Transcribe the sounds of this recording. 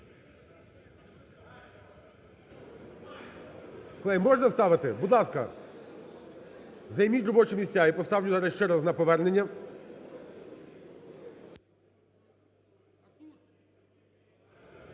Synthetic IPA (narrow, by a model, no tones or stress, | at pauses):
kɔlˠɪmɔʐnɐst̪ɑʋɪt̪ɪbud̪lˠɑskɐ̰ | zɐjmʲitʲɾɔbɔt͡ʃɛmʲisʲt͡sʲaipɔst̪ɑwlʲʊzɑɾɛʃt͡ʃɛɾɐznɐpɔʋɛrnenʲːɐ